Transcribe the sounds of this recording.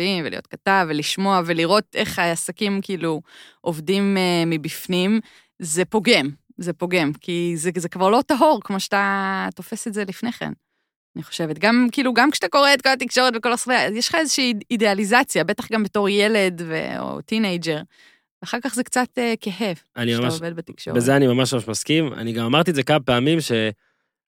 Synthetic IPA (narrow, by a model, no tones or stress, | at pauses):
vimvelḭjot̚kataveliʃmo̞aveliʁo̞te̞χaːsakimkiiluʔovdimemibifnim | zepo̞ɡe̞m | zepo̞ɡe̞mkʰizezekvaʁlo̞taɦo̞ʁkmo̞ʃeatat̪o̞fe̞setze̞lifneχḛn | aniχoʃe̞vet̪ɡamkiːluɡamkʃeat̪ako̞ʁeːt̪ko̞lat̪̬ikʃo̞ʁetveko̞lasveajeʃχaezeʃiːidealizat͡sjabe̞taχɡambeto̞ʁje̞le̞dvḛo̰tinejd͡ʒe̞ʁ | veaχaʁkaχzekt͡sat̪ekeɦe̞vanimamaaoved̪̚bet̪ikʃo̰ʁezeanimamaʃmamaʃmaskima̰niɡamamaʁt̪̬iezekamapeamimʃe